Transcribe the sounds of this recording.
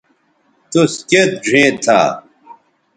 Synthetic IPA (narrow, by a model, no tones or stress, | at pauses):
t̪usket̪̚d͡ʑʱẽːt̪ʰːa̰ː